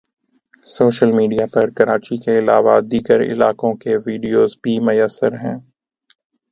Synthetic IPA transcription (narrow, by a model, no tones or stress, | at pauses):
soːʃəlmiːɖijapɐɾkɐɾaːt͡ʃikeɪlaːʋad̪iːɡəɾɪ̰laːkõkeʋiːɖijoːzbʱimʊjəsːəɾɦɛ̃ː